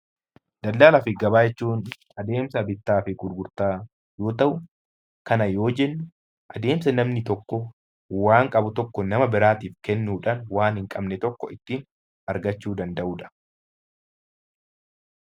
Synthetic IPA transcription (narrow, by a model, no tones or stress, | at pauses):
d̪ɐld̪aːlɐfɪɡɐbaːd͡ʒɛt͡ʃːuːn | ʔɐd̪e̞ːmsɐbɪt̪ːaːfɪɡʊɾɡʊɾt̪aː | jo̞ːt̪ɐʔʊ | kɐnɐjo̞ːd͡ʒɛnːʊ | ʔɐd̪e̞ːmsɐnɐmnɪt̪ɔkːɔ | waːŋkʼɐbʊt̪ɔkːɔnɐmɐbɪɾaːt̪iːfkɛnːuːᶑɐnwaːnhɪŋkʼɐbnɛt̪ɔkːɔɪt̪ːiːn | ɐɾɡɐt͡ʃːuːd̪ɐnd̪ɐʔuːᶑɐ̥